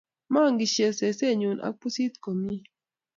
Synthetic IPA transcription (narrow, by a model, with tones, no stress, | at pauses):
ma˦˨ŋɡi˨ʃe˨se˨se˦˨ɲu˨na̰˨˦pu˦si˦t̪ko˨mi˦